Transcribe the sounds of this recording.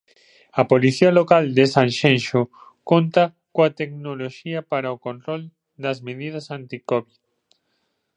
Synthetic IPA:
ɐpoliθialokald̪esãnʃẽnʃokont̪ɐ | koat̪ek̚noloʃiɐpaɾaokõnt̪ɾol | d̪ɐzmeðið̞ɐsant̪ikoβið

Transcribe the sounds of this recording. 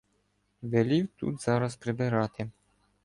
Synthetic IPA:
vʲelʲiwt̪ṵt̪z̥aɾaspɾebɛɾat̪e

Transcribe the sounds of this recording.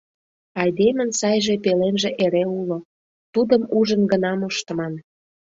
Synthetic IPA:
ɑjd̪emənsɑjʒepelenʒĕʔeɾeulo | t̪ud̪əmuʒənɡənɑmoʃt̪ə̆mɑn

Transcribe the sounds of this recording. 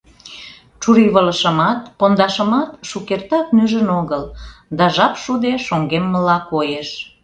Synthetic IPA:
t͡ʃuɾiβələʃə̆mɑt̪̚pond̪ɑʃə̆mɑt̪ʃukert̪ɑk̪nyʒənoɣəld̪ɑʒɑpʃud̪eʃoŋɡemːəlɑkojeʃ

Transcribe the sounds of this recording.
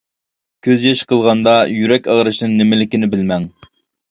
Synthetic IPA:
kʲʰøzjɑʃqʰəlˠʁɑnd̪ɑjyɾɛkʲæʁɾɨʃnɨŋnɪmɪlɪkʲinɪbɪlmɛŋ

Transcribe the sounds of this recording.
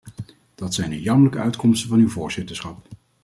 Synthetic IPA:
d̥ɑtsɛjndəjɑmələkəœɥtkɔmstəvɑnywvʊːɹz̥ɪtəɹsχɑp̚

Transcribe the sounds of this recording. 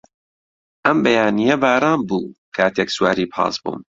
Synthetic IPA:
ʔɐmbɐjaːnijɐbaːɾaːnbuːkʰaːt̪ʰekswaːɾiːpʰɑ̰ːsbṵm

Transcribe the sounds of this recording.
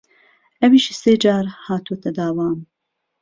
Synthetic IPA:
ɛwiːʃiseːd͡ʒaːɾhaːt̪uot̪ʰɐd̪aːwaːm

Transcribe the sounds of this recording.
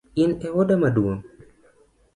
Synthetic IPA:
ɪnɛwodamadwoŋ

